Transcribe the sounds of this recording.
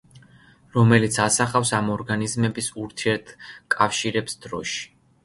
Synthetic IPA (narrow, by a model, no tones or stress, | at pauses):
ɾɔmɛlit̪sʰasaχafsamɔɾɡanizmɛbisuɾt̪ʰiɛɾt̪ʰkʼafʃiɾɛpsd̪ɾɔ̰ʃi̥